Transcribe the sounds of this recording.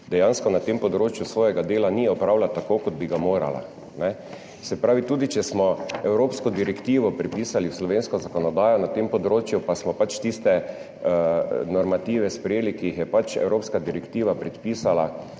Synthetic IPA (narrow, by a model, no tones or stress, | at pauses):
d̪ɛjãnskɔnat̪empɔd̪ɾoːt͡ʃjusʋɔːjɛɡad̪eːlaniɔpɾaːwlat̪ːakoːkɔd̪̚biɡamoːɾa̰la̰ | nɛ | sɛpɾaːʋit̪uːd̪it͡ʃɛsmɔɛwɾoːpskɔd̪iɾɛkt̪iːʋɔpɾɛpiːsaliwslɔʋeːnskɔzakɔnɔd̪aːjɔnat̪empɔd̪ɾoːt͡ʃjupasmɔpat͡ʃt̪ist̪ɛ | nɔɾmat̪iːʋɛspɾɛjeːlikijixjɛpat͡ʃɛ̰wɾoːpskad̪iɾɛkt̪iːʋapɾɛt̪piːsala